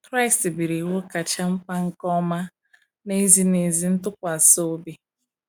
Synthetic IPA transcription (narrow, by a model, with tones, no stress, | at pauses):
kɾa˦˨stbi˨ɾi˨wo˦ka˨t͡ʃa˦m̩˦k͡pa˦ŋ̩˦kɔ˦ma˦ | ne˦zi˦ne˨zi˦n̩˦tʊ˦kʷa˨so˦bi˦